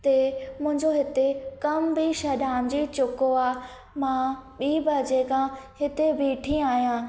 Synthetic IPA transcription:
t̪emʊ̃ɦɪ̃ɲd͡ʑoɦɪt̪ekɐmbiʃɐɗaːmd͡ʑiːt͡ɕʊkoaː | mãɓiːbɐd͡ʑekʰãhɪt̪ebiːʈʰĩaːɦijãː

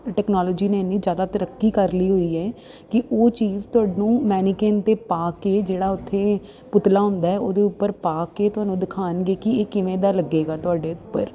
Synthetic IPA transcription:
ʈɛːknaːlɔːd͡ʒiːneːnːiːd͡ʒjaːd̪aːt̪əɾəkːiːkəɾliːɦoːiːɛː | kɪʔoːt͡ʃiːzt̪ʊaːɖnũːmɛːnikeːnt̪eːpaːkeːd͡ʒeːɽaːʊt̪ʰːeː | pʊt̪laːɦʊ̃nd̪aːɛːoːd̪eːʊpːəɾpaːkeːt̪ʊɦaːnũːd̪ɪkʰaːnɡeːkɪeːkɪʋẽːd̪aːləɡeːɡaːt̪ʊaːɖeːʊpːə̰ɾ

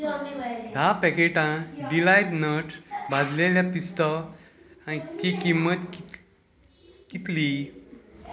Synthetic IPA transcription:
d̪ʱapɛkeʈãɖilajʈnəʈbad̪leljapist̪ɔ | ãik̪ikimːət̪ki | kit̪li

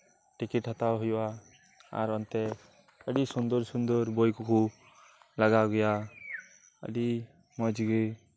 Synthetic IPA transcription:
ʈikiʈhat̪aɦujwa | a̰ɾɔnt̪ɛ | əɖisund̪ɔɾsund̪ɔɾbɔjkukʰu | laɡaɡɔja | ə̰ɖi | mɔjd͡ʒiɡɯ

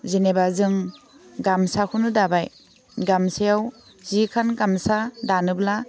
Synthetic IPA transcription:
zinebazɯŋ | ɡamsakʰunɯdabaj | ɡamsejaw | zikʰanɡamsadanɯbla

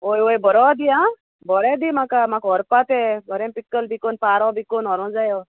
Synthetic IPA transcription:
ojojbɔɾɔd̪iã | bɔɾɛd̪imãkamakɦɔɾpat̪ɛbʱɔɾẽmpikːəlbikonpaːɾɔbʱikonɔɾɔ̃d͡zajɔ

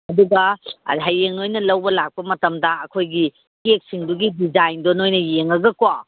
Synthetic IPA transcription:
ɐduɡɐɐ̰ɦajːeŋojnɐlɐwbɐlak̚pɐmɐtɐmdɐɐkʰojɡi | kek̚siŋduɡidizajndonojnɐjeŋɐɡɐkwa

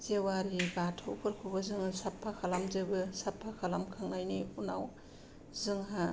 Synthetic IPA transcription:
zewaɾibatʰowpʰɯɾkʰubɯzɯŋsapʰːakʰalamzɯbɯsapʰːakʰalamkʰaŋajniunaw | zɯŋɦa

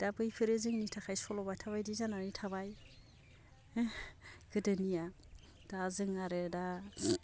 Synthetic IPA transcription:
d̥abɯjpʰɯɾezɯŋnitʰakʰajsɔlɔbajtʰaβajdizananitʰaβaj | ɡɯdɯnija | d̥azɯŋaɾɯda

